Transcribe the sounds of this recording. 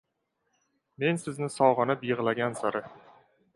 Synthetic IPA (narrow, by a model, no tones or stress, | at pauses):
me̞nsɪznɪsɒwʁɨnɪpjɨʁlˠaɡʲansaɾɪ